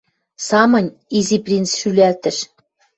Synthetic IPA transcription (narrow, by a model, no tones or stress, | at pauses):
sɑmɤ̆nʲ | iziprʲint͡sʃylʲælt̪ɘ̆ʃ